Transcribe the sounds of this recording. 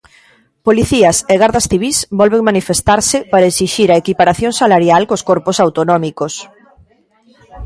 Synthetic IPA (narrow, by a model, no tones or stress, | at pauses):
poliθiɐseɣaɾðɐsθiβ̞isbɔlβeŋmanifest̪aɾsɪpaɾɐesiʃiɾaekipaɾaθjõŋsalaɾjalkoskɔɾposawt̪onɔmikos